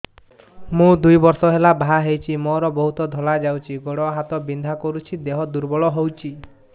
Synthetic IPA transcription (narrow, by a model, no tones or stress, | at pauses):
mũd̪ujbɔɾsɔɦelabʱaɦejt͡ʃʰimɔɾɔbɔɦut̪ɔd̪ʱɔlad͡ʒawt͡ʃʰiɡɔɽɔɦat̪ɔbind̪ʱakɔɾut͡ʃʰid̪eɦɔd̪uɾbɔɭɔɦewt͡ʃʰi